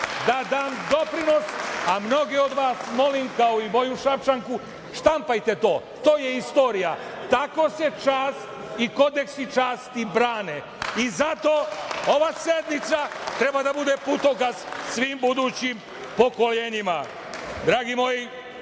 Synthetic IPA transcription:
d̪ad̪aːmd̪o̞pɾino̞samno̞ɡeo̞d̪ʋaːsmo̞limkao̞imo̞juʃapt͡ʃaŋku | ʃt̪ampajt̪e̞t̪o̞ː | t̪oːje̞ist̪o̞ːɾija | t̪ako̞se̞t͡ʃaːst̪ | iko̞d̪eksit͡ʃaːst̪ibɾaːne | izat̪o̞ːo̞ʋase̞d̪nit̪sat̪ɾe̞bad̪abud̪eput̪o̞kassʋiːmbud̪ut͡ɕim | po̞ko̞leːɲima | d̪ɾaːɡimo̞ji

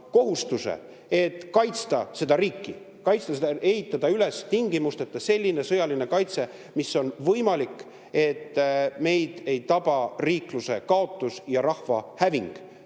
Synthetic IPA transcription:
ko̞ɦust̪usḛ | e̞t̪ːˑkɑjt̪st̪ɑse̞d̪̥ɑɾiːkːi | kɑjt̪st̪ɑsee̞ɦit̪ːˑɑd̪̥ɑyle̞st̪iŋɡimust̪e̞t̪ˑːɑse̞lʲːine̞sɤjɑline̞kɑjt̪se̞ | misːo̞nvɤjmɑlikˑ | e̞t̪ːme̞jd̪̥e̞jt̪ɑb̥ɑriːkluse̞kɑo̞t̪ːˑusjɑɾɑhvɑ̰hæviŋɡ̥

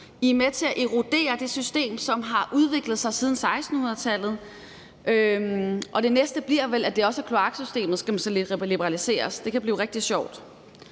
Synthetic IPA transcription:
imet͡sʰe̝æʔiʁo̝d̥e̝̰ːɐd̥e̝sysd̥e̝̰ːmsɒ̽mɦɑ̈ʔuð̞ˠʋe̝ɡ̥ləð̞̩ˠsɑ̈ɪsið̞ˠn̩sɑ̈ɪsd̥n̩hunɐðˠt͡sʰæl̰ð̩ˠ | ʔøʔɒ̽d̥e̝nesd̥əb̥liɐ̰ʋelæd̥e̝ɒ̽sækʰlo̝ɑ̈ɡ̥sysd̥e̝̰ːmð̩ˠsɡ̥æmæsɒled̥ʁiblib̥əʁɑlise̝̰ːɐsd̥e̝kʰæb̥lḭːʊʁeɡ̥̚d̥iɕɒʊ̰d̥

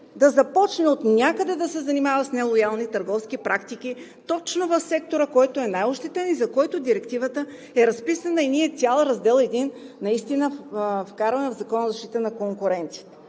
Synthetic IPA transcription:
d̪ɐzɐpɔt͡ʃnɛot̪nʲjakəd̪ɛd̪ɐsɛzɐnimavəsnɛlˠojalˠnit̪əɾɡɔfsk̟ipɾʔakt̪ikʲi | t̪ɔt͡ʃnovɐfsɛkt̪oɾəkɔjt̪oɛnajoʃt̪ɛt̪ɛnizɐkɔjt̪od̪iɾɛkt̪ivət̪ə | ɛɾɐspisənəiniɛt̪sʲjalˠɾɐzd̪ɛlˠɛd̪inːɐist̪inəfkaɾvənvzɐkɔnəzɐʃt̪it̪ənɐkoŋkʊɾɛnt̪sijət̪ə̥

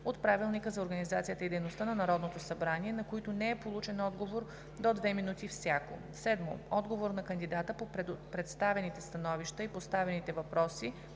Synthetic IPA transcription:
ot̪pɾavilˠnikəzɐoɾɡənizat̪sijət̪əid̪ɛjnost̪ənɐnɐɾɔd̪not̪osɐbɾaniɛnɐkoit̪onɛɛpolˠut͡ʃɛnɔd̪ɡovoɾ | d̪od̪vɛminut̪ifsʲjako̰ | sɛd̪mo̰ɔd̪ɡovoɾnɐkənd̪id̪at̪əpoppɾɛt̪st̪avɛnit̪ɛst̪ɐnɔviʃt̪əipost̪avɛnit̪ɛvɐpɾɔsi

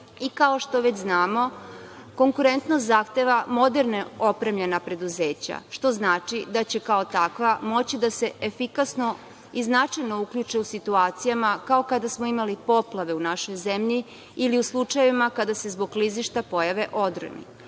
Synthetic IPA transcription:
ikao̞ʃt̪o̞ʋet͡ɕznaːmo̞ko̞ŋkuɾe̞nt̪nost̪zaxt̪eʋamo̞d̪e̞ɾneo̞pɾe̞mʎʲe̞napɾe̞d̪uze̞ːt͡ɕa̰ʃt̪o̞znaːt͡ʃid̪at͡ɕe̞kao̞t̪akʋamo̞t͡ɕid̪ase̞efikasno̞ | iznat͡ʃajno̞ukʎut͡ʃeusit̪uaːt̪sijamakao̞kad̪asmo̞imalipo̞plˠaʋe̞unaʃo̞jzemʎi | iliuslˠut͡ʃajeʋimakad̪ase̞zbo̞ɡliziʃt̪apo̞jaʋe̞ʔo̞d̪ɾə̰nḭ

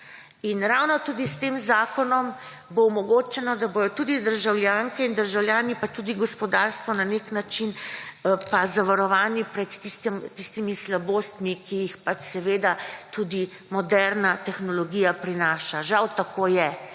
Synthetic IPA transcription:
inɾawnɔt̪uːd̪ist̪eːmzaːkɔnɔm | boumɔɡoːt͡ʃɛnɔd̪abojɔt̪ud̪id̪əɾʒawljaŋkɛind̪əɾʒawljaːnipat̪ud̪iɡɔspɔd̪aɾst̪ʋɔnaneknat͡ʃin | pazaʋaɾɔʋaːnipɾɛt̪ːist̪ɛmt̪ist̪imislaboːst̪mikijixpat͡ʃsɛʋeːd̪at̪uːd̪i | mɔd̪ɛɾnat̪ɛxnɔlɔɡijapɾinaːʃaʒawt̪akʰoːjɛ

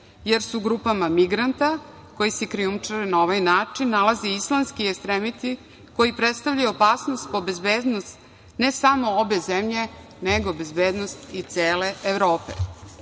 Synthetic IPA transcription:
jeɾsuɡɾupamamiɡɾant̪a | ko̞jisekɾiumt͡ʂaɾenao̞ʋajnaːt͡ʂinːalazeislˠanskiekst̪ɾemit̪i | ko̞jipɾet̪st̪avʎajuopaːsnost̪̚pobe̞zbeːd̪nost̪ | ne̞samo̞obe̞zemʎe̞ | neɡo̞be̞zbeːd̪no̞st̪it̪seːle̞ʔeʋɾo̞ːpḛ

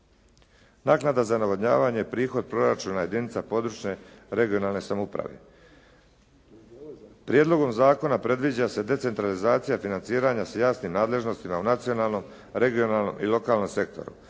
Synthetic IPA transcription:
naːknad̪azanaʋod̪ɲa̰ːʋaɲeepɾiːxo̞d̪̚pɾo̞ɾat͡ʃuːnaje̞d̪init̪sapo̞d̪ɾut͡ʃɲe̞ɾe̞ɡio̞naːlˠne̞samoupɾa̰ʋe̞̰ | pɾijed̪lo̞ɡo̞mzaːko̞napɾe̞d̪ʋid͡ʑase̞d̪e̞t̪se̞nt̪ɾalizaːt̪sijafinant̪siːɾaɲasajaːsnimnaːd̪le̞ʒno̞st̪imaunat̪sio̞naːlˠno̞m | ɾe̞ɡijo̞nalˠno̞̰mʔilˠo̞kaːlno̞mse̞k̚t̪o̞̰ɾṵ

